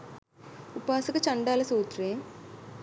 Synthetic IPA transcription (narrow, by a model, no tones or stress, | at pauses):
upaːsɐkɐt͡ʃɐɳɖaːlɐsuːt̪ɾeː